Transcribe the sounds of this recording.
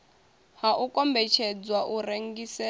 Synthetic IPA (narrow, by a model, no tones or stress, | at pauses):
haʔukʼɔmbɛt͡ʃʰɛd͡zwaʔuɾeŋ̩ɡisɛ